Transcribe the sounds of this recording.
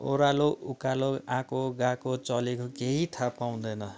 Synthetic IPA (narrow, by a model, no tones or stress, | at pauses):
o̰ɾaloʔukaloãkoɡãkot͡sʌlekokeɦit̪ʰapaw̃d̪ʌjnʌ